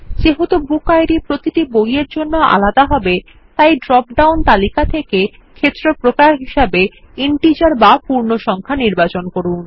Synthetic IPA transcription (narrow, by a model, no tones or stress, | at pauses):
d͡ʑeɦot̪obukajɾipɾot̪iʈibojeɾd͡ʑonːoʔa̰lad̪aɦɔbe | t̪ajɖɾɔp̚ɖawnt̪alikat̪ʰeke | kʰet̪ːɾopɾokaɾɦiʃabe | iɳʈid͡ʑaɾbapuɾnoʃɔŋkʰaniɾbat͡ɕonkoɾun